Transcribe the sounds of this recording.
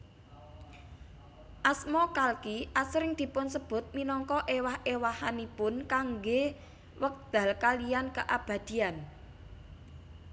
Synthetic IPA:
ʔasmɔkalkiʔasɾɪŋd̪̥i̤pʊnsəb̥ʊ̤t̪̚minɔŋkɔʔewahʔewahanipʊnkaŋɡe | wək̚d̪̥a̤lkalijankəʔab̥ä̤d̪̥i̤an

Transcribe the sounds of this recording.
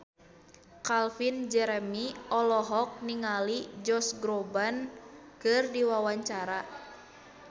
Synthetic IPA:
kalfind͡ʒɛɾɛmiɔlɔɦɔk̚niŋalid͡ʒɔsɡɾobankɨrdiwawaɲt͡ʃaɾa

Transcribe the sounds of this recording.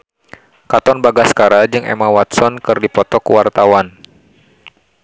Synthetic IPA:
kat̪ɔnbaɡaskaɾad͡ʒɨŋɛ̰mawat̪sɔnkɨrdipɔt̪ɔkəwart̪awan

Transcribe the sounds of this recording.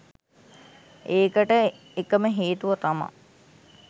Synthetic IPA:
eːkəʈə | ekəməɦeːt̪uʋɐt̪ama̰

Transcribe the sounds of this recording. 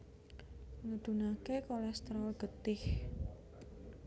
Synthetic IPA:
ŋəd̪̥ṳnakekolɛst̪ɾɔlɡ̥ət̪ɪh

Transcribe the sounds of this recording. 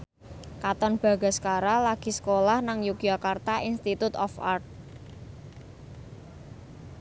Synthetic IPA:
kat̪ɔnb̥a̤ɡ̥a̤skaɾalaɡ̥i̤sə̥kolahnaŋjukjakart̪aʔinst̪it̪ut̪ɔfa̰rt̪̚

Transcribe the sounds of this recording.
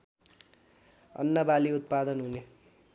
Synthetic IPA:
ʌ̰nːʌbaliut̪̚pad̪ʌnɦune

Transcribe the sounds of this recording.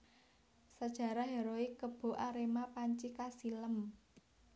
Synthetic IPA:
sad̥ʒ̥ä̤ɾaɦeɾoikəb̥o̤ʔaɾemapaɲt͡ʃikasiləm

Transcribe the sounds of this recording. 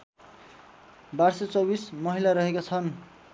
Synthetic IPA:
barset͡sʌbismʌɦilaɾʌɦekat͡sʰʌn

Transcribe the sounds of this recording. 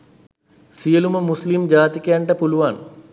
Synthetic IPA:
sijɐlumɐmːuslimd͡ʑaːt̪ikʲːjaːɳʈɐpuluʋaːn

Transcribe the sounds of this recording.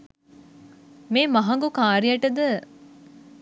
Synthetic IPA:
meːmɐɦɐŋɡukaːɾijɐʈəd̪ə

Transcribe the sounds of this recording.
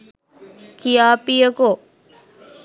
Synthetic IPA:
kijaːpijəku

